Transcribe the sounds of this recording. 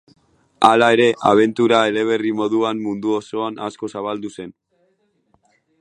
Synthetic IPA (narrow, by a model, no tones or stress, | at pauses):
alae̞ɾe̞ʔaβ̞e̞nt̪uɾae̞le̞β̞e̞rimo̞ðuanmund̪uoso̞ana̰sko̞saβald̪use̞n